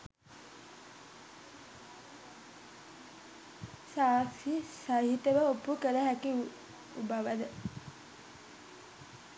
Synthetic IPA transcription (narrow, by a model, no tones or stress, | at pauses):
saːksisaɦit̪əʋəopukələɦækiu | ubaʋəd̪ə